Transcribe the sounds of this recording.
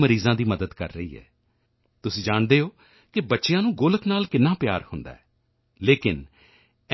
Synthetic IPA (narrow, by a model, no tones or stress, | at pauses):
məɾiːzãːd̪iːməd̪əd̪kə̰ɾːə̰ḭːɛ̰ː | t̪ʊsĩːd͡ʒaːɳd̪eːoː | kɪbətːʃɪjãːnũːɡoːləknaːlkɪnːãːpɪja̰ːɾhʊnd̪a̰ːɛː | leːkɪn | ɛ